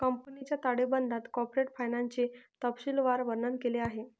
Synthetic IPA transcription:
kəmpənit͡ɕjat̪aɽebənd̪at̪kɔpɾeʈfajnaɲt͡ɕet̪əpɕilʋaɾʋəɾnənkeleaɦe

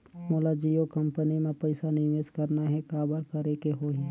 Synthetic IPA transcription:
moːlad͡ʒijokɐ̃mpənimẽpəɪsanɪʋeːskɐɾnaɦɛkaːbəɾkəɾekeɦoːɦɛ̃

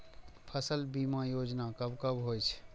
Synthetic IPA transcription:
pʰəsəlbimãjoːd͡ʒnakəbkəbɦojt͡ʃʰ

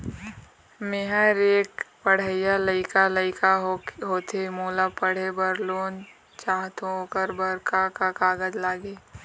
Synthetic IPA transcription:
meɦaɾeːkpəɽ̤əɪjaləɪkaləɪkaɦɦoːt̪ʰemoːlapəɽ̤ebəɾloːn | t͡ʃaːɦt̪õoːkəɾbəɾkakakaːɡəd͡ʒlaːɡeː

